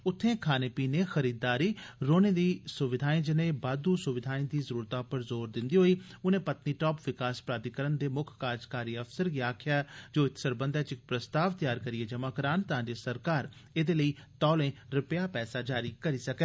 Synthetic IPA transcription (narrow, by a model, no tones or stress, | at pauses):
ʊt̪ʰːẽːkʰaːneːpiːneːxəɾiːd̪ːaːɾiːɾoːneːd̪iːsʊʋɪd̪ʱaːĩːd͡ʒɪnẽːbaːd̪uːsʊʋɪd̪ʱaːĩːd̪iːzəɾuːɾt̪aːpəɾzoːɾd̪ɪnd̪iːɦoːiːʊnẽːpət̪niːʈɔːpʋɪkaːspɾaːd̪ɪkəɾənd̪eːmʊkʰkaːd͡ʒkaːɾiːəfsəɾɡiːaːkʰɪjaːd͡ʒoːɪt̪səɾbənd̪ɛːt͡ʃɪk̚pɾəst̪aːʋt̪əjaːɾkəɾɪeːd͡ʒəmaːkəɾaːnt̪ɐɦãːd͡ʒeːsəɾkaːɾ | eːd̪eːləiːt̪ɔːlẽːɾɪpjaːpɛːsaːd͡ʒaːɾiːkəɾiːsəkɛː